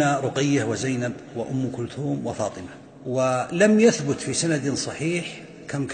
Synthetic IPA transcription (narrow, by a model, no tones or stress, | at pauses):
aɾˤʊqɪjːawɪzajnabwɪʔʊmːkʊlt̪uːmwɪfɑːt̪ˤɨma | wɪlamjaθbʊt̪fisanad̪sˤɑħiːħ | kʰamk